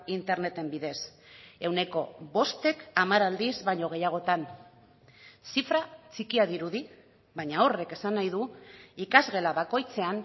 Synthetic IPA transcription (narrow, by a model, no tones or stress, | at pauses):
int̪e̞ɾne̞t̪e̞mbiðe̞s | e̞wne̞ko̞̰βo̞st̪e̞kamaɾald̪izβaɲo̞ɣ̞e̞jaɣ̞o̞t̪an | sifɾat͡sikiaðiɾuði | βajɲao̞re̞ke̞sanːajðuikazɣe̞laβako̞jt͡se̞an